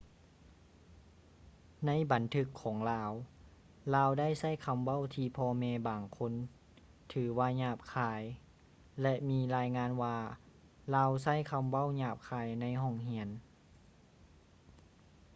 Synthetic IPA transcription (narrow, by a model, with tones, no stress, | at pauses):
na˧˥˨jba˨˦nt̪ʰɯ˧kʰːɔː˩˦ŋlaː˧w | laː˧wda˥˨jsa˥˨jkʰa˧mwa˥˨wt̪ʰiː˧pʰɔː˧mɛː˧baː˨˩ŋkʰo˧˥˨n | t̪ʰɯː˩˦waː˧ɲaː˧˩p̚kʰaː˧˩j | lɛ˧ʔmiː˧˥laː˧jŋaː˧˥˨nwaː˧ | laː˧ws̬a˥˩˨jkʰa˧mwa˥˩˨wɲaː˧˩p̚kʰaː˧˩jna˧˥jɦɔ˧˥˩ŋhi˧˥ən